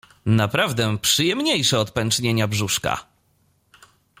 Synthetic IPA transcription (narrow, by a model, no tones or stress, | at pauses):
napɾavd̪ɛpʂɨjɛmɲejʂɛɔt̪pɛnt͡ʂɲeɲabʐuʂka̰